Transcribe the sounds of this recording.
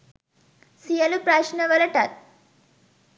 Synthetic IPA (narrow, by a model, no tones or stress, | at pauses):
sijɐlupɾaːʃinɐʋɐlɐʈat̪̚